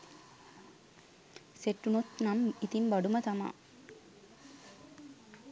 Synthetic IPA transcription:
seʈːunut̪namit̪imbɐɖumət̪ama̰

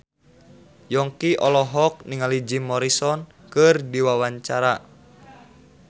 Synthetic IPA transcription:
jɔŋkiʔɔlɔɦɔk̚niŋalid͡ʒimːɔɾisɔn | kɨrdiwawaɲt͡ʃaɾa

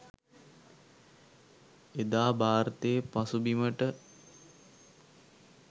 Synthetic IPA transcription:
ed̪aːbaːɾət̪eːpasubiməʈə

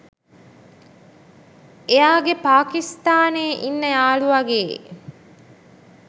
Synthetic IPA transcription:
ejaːɡepaːkist̪aːneːʔinːəjaːɭuʋɐɡeː

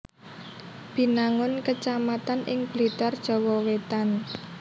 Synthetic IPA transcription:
b̥i̤naŋʊnkət͡ʃamat̪anʔɪ̰ŋb̥lit̪ard̥ʒ̥ɔ̤wɔwet̪an

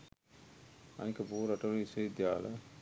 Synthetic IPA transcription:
ɐ̰nikəbuːɾɐʈɐluisɐid̪jaːlə

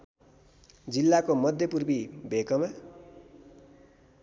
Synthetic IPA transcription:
d͡zilːakomʌd̪ʱjʌpurbibʱekʌma

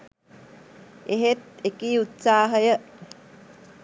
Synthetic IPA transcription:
ʔeɦet̪ekiːut̪saːɦəjə

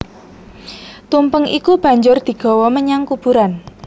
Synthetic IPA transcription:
t̪umpəŋʔikub̥ä̤ɲd͡ʒʊrd̪̥i̤ɡ̥ɔ̤wɔməɲaŋkub̥ṳɾan

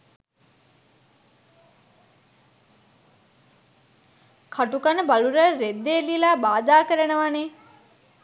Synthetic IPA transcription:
kʰaʈukanəbaluɾəɾed̪ːeːlilaːbaːd̪aːkəɾənəʋane

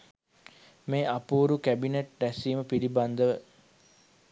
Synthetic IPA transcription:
meːʔapuːɾukæbineʈdæsiːməpiɾiband̪əʋə

